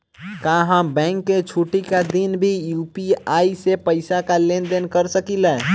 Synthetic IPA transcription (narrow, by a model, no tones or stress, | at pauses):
kaɦãbɛ̃ŋkːet͡ʃʰuʈikad̪inbʱijupiaːisepəɪsakalend̪enkəɾsəkilɛ